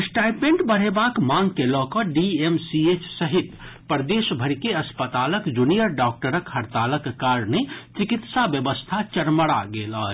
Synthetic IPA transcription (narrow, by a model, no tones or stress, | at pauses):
sʈajpmẽɳʈbəɽ̤ebakmaŋɡkelɔkɔɖiemsiet͡ʃsəɦit̪pəɾd̪esbʱəɾikeəspət̪aləkd͡ʒunijəɾɖɔk̚ʈəɾəkhəɾt̪aləkːaɾnet͡ʃikit̪sabjəbəst̪ʰat͡ʃəɾməɽa̰ɡeləɦ